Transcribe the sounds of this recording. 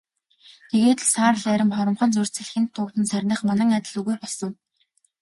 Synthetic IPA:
t̪ʰeɣeːt̪saːrɮæɾʲɪ̆mχɔɾɞ̆mχɞ̆nt͡sur̥ʲt͡sɘ̆ɮxɘ̆nt̪ʰːʊːt̪ɘ̆nsærʲnə̆χmanæ̆ŋat̪ʲɪ̆ɮɵɣujpɔɮsɞ̆ŋ

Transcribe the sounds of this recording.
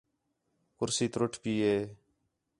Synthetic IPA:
kʊɾsiːt̪ɾoʈʰpiːɦeː

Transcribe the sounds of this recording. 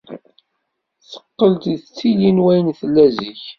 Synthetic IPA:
θə̥qːəlt̪t͡sːijinwæjnθəlːæziç

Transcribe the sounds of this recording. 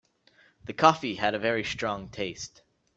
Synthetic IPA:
ðɨkʰɔfiɨɾɨvɛɹistɹ̥ɔ̃ŋtʰeɪst

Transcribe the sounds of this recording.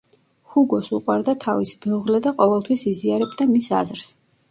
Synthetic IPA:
huɡɔsṵqʼwaɾd̪at̪ʰavisbɛuʁlɛd̪aqʼɔvɛlˠt̪ʰwisiziaɾɛbd̪amisa̰zɾs

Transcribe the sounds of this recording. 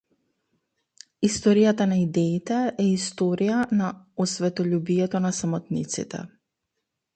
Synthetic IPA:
ist̪ɔɾijat̪anaid̪ɛit̪ɛʔɛist̪ɔɾijanaɔsvɛt̪ɔʎubijɛt̪ɔnasamɔt̪nit̪sḭt̪ɛ̰

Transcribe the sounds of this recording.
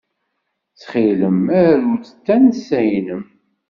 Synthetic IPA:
t͡sːχiləmæɾɾut͡sə̥t̪ːænsæjnəm

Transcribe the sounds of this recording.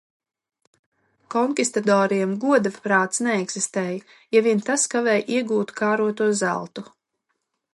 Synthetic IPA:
kɔŋkʲist̪ad̪ɔːɾiɛmɡuɔd̪avpɾaːt̪snɛɛɡz̥ist̪ɛːj | javʲint̪askavɛːjʔiɛɡuːt̪kaːɾuɔt̪uɔzæ̰lˠt̪u

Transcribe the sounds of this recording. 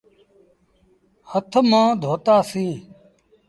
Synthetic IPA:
hət̪ʰmãːd̪ʱoːt̪aːsĩː

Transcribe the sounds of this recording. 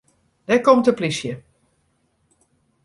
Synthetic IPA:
dɛkɔmtəplisjə

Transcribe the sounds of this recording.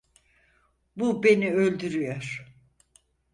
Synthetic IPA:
bube̞niølʲd̪yɾyjoɾ̥

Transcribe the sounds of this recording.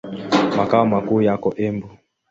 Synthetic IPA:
makaɔmakuːjakɔʔɛmbu

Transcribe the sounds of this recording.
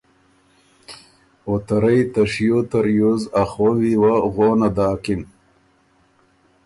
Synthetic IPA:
ot̪ɐɾɐjt̪ɐʂjot̪ɐɾjozɐχwɐwiwaɣoːnad̪aːkin

